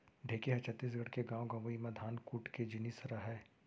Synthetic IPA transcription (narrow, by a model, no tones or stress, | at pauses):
ɖʱeːkeɦɛt͡ʃʰɐt̪ːiːs̬ɡʱɐɽkeɡãːõɡɐ̃ʋəimɐ̃d̪ʱaːnkuːʈked͡ʒɪniːsɐɾaɦɛː